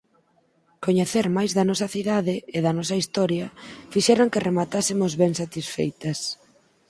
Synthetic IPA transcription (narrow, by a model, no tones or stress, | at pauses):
koɲeθeɾmajzðɐnɔsɐθiðaðɪeðɐnɔsɐist̪ɔɾjɐfiʃɛɾaŋkɪremat̪asɪmʊzβɛŋsat̪isfejt̪ɐs